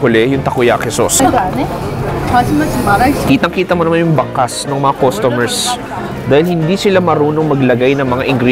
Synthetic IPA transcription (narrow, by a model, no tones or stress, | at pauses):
ʊlɛjʊŋt̪ɐkʊjakhɛso̰sɡa | asɐmɐsɐpaɾɐkiːt̪ɐŋkiːt̪ɐmonɐmanjʊŋbɐkasnɐŋmɐŋakost̪omɛɹs | d̪aːhɪlhɪnd̪isɪlamɐɾuːno̞ŋmɐɡlɐɡajnɐŋmɐŋaʔɪŋɡɾi